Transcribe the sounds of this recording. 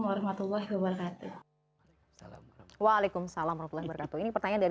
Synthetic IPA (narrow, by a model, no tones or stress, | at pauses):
mwaɾɑhmat̪ulːaɦwabəɾkat̪u | walekʊmsalamarhmat̪ulːahbəɾkat̪uinipərt̪aɲandaɾ